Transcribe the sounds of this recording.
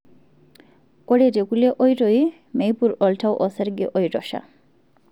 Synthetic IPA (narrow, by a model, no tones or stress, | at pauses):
kɔɽetekuleʔɔjtɔj | mejpuɾɔltʰawʔɔsɛɾɡeʔɔjtɔʃa̰